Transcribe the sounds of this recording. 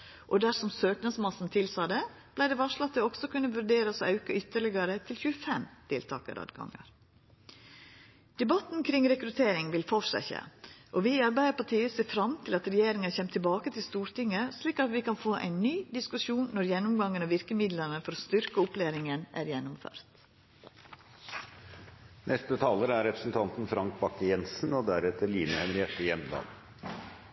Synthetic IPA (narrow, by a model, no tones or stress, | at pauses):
ʔɔd̪æɾsɔmsøːknəsmɑsn̩t̪ʰɪlsɑːd̪ɛ | b̥læɪɖɛʋɑʂɭɑt̪d̪ɛɔɡsɔkʉnːəʋʉɾɖeːɾəsɔɑʉkəʏt̪ːəɭɪɡəɾət̪ʰɪlçʉːəfɛmt̪ʰɪlt̪ʰɑ̰ːkə̰ɾɑ̰ːd̪ɡɑ̰ŋːə̰ɾ | d̪̥ɛbɑt̪nkʰɾɪŋɾɛkɾʉt̪ʰeːɾɪŋʋɪlfɔʂæ̰çə̰ʔɔʋɪɑɾbæɪəpɑʈiːəseːfɾɑmt̪ʰɪlɑt̪ɾɛjeːɾɪŋəçɛmt̪ʰɪlbɑːkət̪ʰɪlst̪uːɾt̪ɪŋːəsliːkɑt̪ʋɪkʰɑnfoːʔæ̰ɪnːyːd̪ɪskʉʃuːnːɔɾjɛnːʊmɡɑŋːənoːʋɪɾkəmɪd̪lənəfɔɾoːst̪ʏɾkəʊpleːɾɪŋənʔæ̰ːɾjɛnːʊmfø̰ːɾt̪ | nʔɛst̪ət̪ʰɑːləɾəæɾɛpɾə̥sn̩t̪ʰɑnt̪n̩fɾɑŋk̚bɑkːəjɛnsn̩ɔd̪æɾɛt̪əɾliːnəhɛmɾɪɛʈ̪ːəjɛmd̪ɑ̰ːn